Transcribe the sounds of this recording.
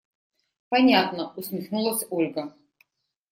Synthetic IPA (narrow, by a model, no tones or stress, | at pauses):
pɐnʲat̪nəʊsmʲɪxnulˠəsʲolʲɡə